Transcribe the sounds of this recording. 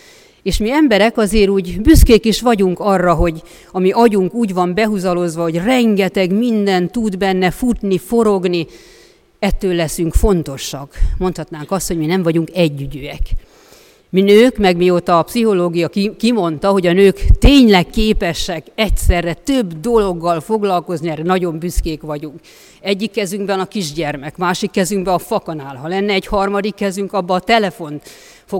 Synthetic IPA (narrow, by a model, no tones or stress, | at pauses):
eːʃmiɛmbɛɾɛkɒzeːɾuːɟbyskeːkiʃʋɒɟuŋkɒrːɒɦo̞ɟ | ɒmiʔɒɟuŋkuːɟʋɒmbɛɦuzɒlo̞zʋɒho̞ɟrɛŋɡɛt̪ɛɡmind̪ɛnt̪ud̪bɛnːɛfut̪nifo̞ɾo̞ɡni | ɛt̪ːøːlːɛsyŋkfo̞nt̪o̞ʃɒkmo̞nt̪hɒt̪naːŋkɒst̪ho̞ɟminɛɱvɒɟuŋkɛɟːyɟøɛk | minøːkmɛɡmiot̪ɒːpsiɦo̞loːɡijɒkːimo̞nt̪ɒɦo̞ɟɒnøːkt̪eːɲlɛkːeːpɛʃɛkɛcsɛrːɛt̪øbd̪o̞lo̞ɡːɒlfo̞ɡlɒlko̞zniɛrːɛnɒɟo̞mbyskeːkʋɒɟuŋk | ɛɟːikːɛzyŋɡbɛnɒkiʒɟɛrmɛkmaːʃikːɛzyŋɡbɛɒfɒkɒnaːlɦɒlɛnːɛːɟhɒrmɒd̪ikːɛzyŋkɒbːɒːt̪ɛlɛfo̞nt̪ | fo